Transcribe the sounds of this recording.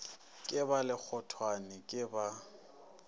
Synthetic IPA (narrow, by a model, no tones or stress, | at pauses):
kʼɪbalɪk͡xʰɔtʰwanɪkʼɪba